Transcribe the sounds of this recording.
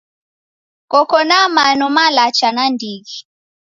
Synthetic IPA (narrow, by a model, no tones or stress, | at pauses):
kɔkɔnamanɔmalat͡ʃanandiɡi